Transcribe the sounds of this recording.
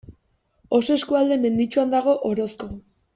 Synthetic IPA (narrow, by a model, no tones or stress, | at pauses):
o̞soeskuald̪e̞me̞nd̪it͡ʃuand̪aɣ̞o̞ʔoɾo̞sko̞